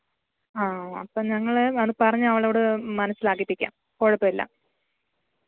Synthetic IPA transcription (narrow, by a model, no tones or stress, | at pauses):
aːɐpːoːɲɐŋːɐɭeɐðɨpɐrɐɲːuɐʋɐɭoːɽemɐnɐsːilaːkːipːikʲːa̰ːm | koɻɐpːɐilːɐ̰